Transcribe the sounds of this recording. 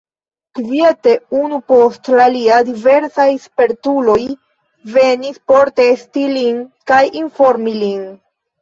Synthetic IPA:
kvie̞te̞unupo̞stlaliadive̞ɾsajspe̞ɾtulo̞j | ve̞nispo̞ɾte̞stilinkajinfo̞ɾmilin

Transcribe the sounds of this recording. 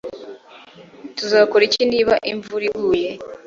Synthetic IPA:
tuzaːkoɾiciːndiβaʔiɱvuɾiɡuːje

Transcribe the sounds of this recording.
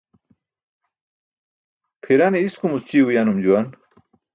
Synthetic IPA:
pʰiɾaneiskumust͡ɕiwujanumd͡ʑuwan

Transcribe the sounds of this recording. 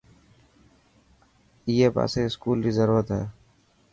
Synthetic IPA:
iːeːpa̰ːseːɪskuːldiːzəɾuːɾət̪ɦɛː

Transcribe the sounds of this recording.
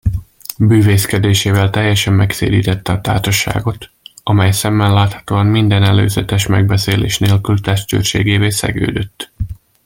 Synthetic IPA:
byːveːskɛd̪eːʃeːvɛlt̪ɛjːɛʃɛmːɛksḛːd̪ḭːt̪ɛt̪ːɛɒt̪a̰ːrʃɒʃa̰ːɡo̞t̪ | ɒmɛjsɛmːɛnlaːt̪hɒ̥t̪oːɒmmind̪ɛnɛlø̰ːzɛt̪ɛʃmɛɡ̚bɛseːlḛːʃneːlkylt̪ɛʃt͡ʃø̰rʃḛːɡeːveːsɛ̰ɡø̰ːd̪øt̪ː

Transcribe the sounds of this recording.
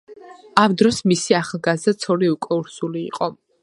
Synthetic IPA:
amd̪ɾɔsmisiaχlˠɡazd̪at̪sʰɔliukʼɔuɾsulḭːqʼɔ

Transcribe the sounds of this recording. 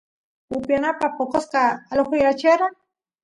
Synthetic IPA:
ʊpjanapapokosqaːloxʊjat͡ʃeɾa

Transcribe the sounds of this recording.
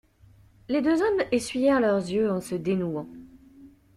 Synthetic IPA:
led̪øzɔmesɥijɛʁlœʁzjøɑ̃səd̪enuɑ̃

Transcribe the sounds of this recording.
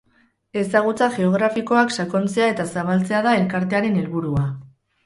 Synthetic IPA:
e̞saɣ̞ut͡saʝe̞o̞ɣ̞ɾafiko̞aksako̞nt͡se̞ae̞t̪asaβ̞alt͡se̞aðae̞lkaɾt̪e̞aɾe̞ne̞lβuɾua

